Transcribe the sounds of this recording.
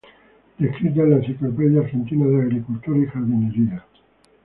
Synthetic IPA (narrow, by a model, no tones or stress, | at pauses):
d̪ehkɾid̪elensiklopeðjaːɾxent̪inaðeaɣɾikult̪uɾixaɾβineɾia